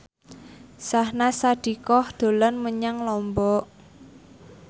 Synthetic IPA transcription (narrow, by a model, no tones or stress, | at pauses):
sahnasaɖ̥i̤kɔhd̪̥o̤lanməɲaŋlɔmbɔʔ